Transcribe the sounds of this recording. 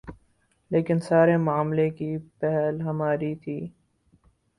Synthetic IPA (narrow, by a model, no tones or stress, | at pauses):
leːkɪnsaːɾemʊaːmlekipɛɦɛlɦɐmaːɾit̪ʰiː